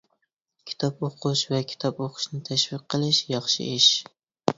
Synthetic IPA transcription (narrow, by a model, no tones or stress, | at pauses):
kʲʰi̥t̪ʰɑpoqʰʊʃvɛkʲʰi̥t̪ʰɑpoqʰʊ̥ʃnɪt̪ʰæʃviq̚ʰːəlˠɪʃjɑχʃɪ̰ɪʃ